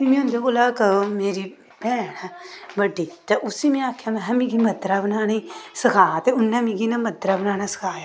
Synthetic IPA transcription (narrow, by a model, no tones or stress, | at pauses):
imĩʊ̃nd̪eboːlaːkəmeːɾiː | pɛːɽabəɖiːt̪eʔʊsiːmɛ̃aːkʰjaːmɛ̃ɦə̃mĩːɡiːməd̪ɾaːbənaːnesəkʰaːt̪eʊnːãmĩɡinaməd̪ɾaːbənaːnaːsə̥kʰaːja